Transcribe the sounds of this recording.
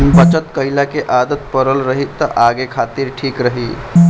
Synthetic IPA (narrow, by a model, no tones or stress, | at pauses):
bət͡ʃət̪kəilakeʔad̪ət̪̚pəɾəlɾəɦit̪ːəʔaɡekʰat̪iɾʈʰiːkɾəɦi